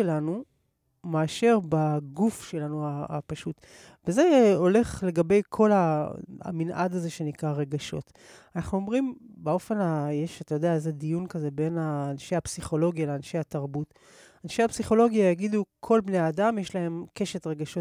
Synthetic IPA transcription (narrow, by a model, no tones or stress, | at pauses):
elanu | maːʃeʁbaɡufʃe̞lanuaa̰paʃut̪ | veze̞o̞le̞χle̞ɡabe̞jkʰo̞laa̰minʔa̰daze̞ʃe̞nikʁaʁe̞ɡaʃo̞̰t | anaχnuo̞mʁimbao̞fe̞najeʃat̪ajo̞d̪eaezed̪ijunkaze̞be̞naːnʃejhapsiχo̞lo̞ɡialeanʃejataʁbut | anʃejapsiχo̞lo̞ɡiajaɡid̪ukʰo̞lbne̞jaːdamjeʃlahe̞mke̞ʃet̪ʁe̞ɡaʃo